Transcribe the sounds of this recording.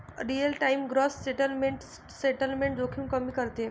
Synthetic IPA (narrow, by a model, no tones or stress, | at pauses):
ɾiəlʈaimɡɾɔsːeʈəlmeɳʈ | seʈəlmẽɳʈ̚d͡zokʰiːmkəmiːkəɾt̪e